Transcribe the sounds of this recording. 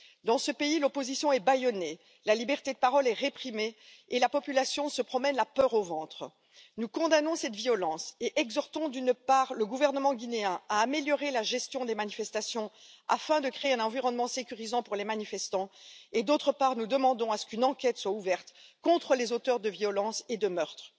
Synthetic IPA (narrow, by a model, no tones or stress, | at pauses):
d̪ɑ̃səpeilɔpozisjɔ̃ɛbajɔne | lalibɛʁt̪ed̪əpaʁɔlɛʁepχimeː | lapɔpylasjɔ̃səpχɔmɛnlapœʁovɑ̃t̪χə | nukɔ̃d̪anɔ̃sɛt̪viɔlɑ̃seʔɛɡzɔʁt̪ɔ̃d̪ynpaːʁləɡuvɛʁnəmɑ̃ɡʲineɛ̃aːmeljɔʁelaʒɛst̪jɔ̃d̪emanifɛst̪asjɔ̃a̰fɛ̃d̪əkχeeɛ̃nɑ̃viʁɔnmɑ̃sekʲyʁizɑ̃puʁlemanifɛst̪ɑ̃ed̪ot̪χəpaʁnud̪əmɑ̃d̪ɔ̃asə̥kynɑ̃kʲɛt̪swauvɛʁt̪kɔ̃t̪χəlezot̪œʁd̪əvjɔlɑ̃sed̪əmœʁt̪χ